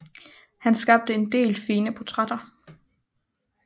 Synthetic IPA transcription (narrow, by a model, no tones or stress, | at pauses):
hænsɡ̥ɑ̈b̥̚d̥əe̝nd̥e̝̰ːlfiːnəpʰot͡sʰʁɑd̥ɐ